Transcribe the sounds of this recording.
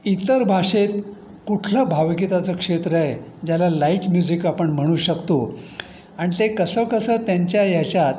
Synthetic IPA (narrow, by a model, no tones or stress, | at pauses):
it̪əɾbʱaʂet̪ | kuʈʰləbʱaʋkit̪at͡səːkʂet̪ɾəed͡ʑjalalaiːʈmjud͡ʑikapəɳm̤əɽ̃uːɕəkt̪o | aɽ̃it̪ekəsəːkəsəːt̪jaɲt͡ɕjajat͡ɕjat̪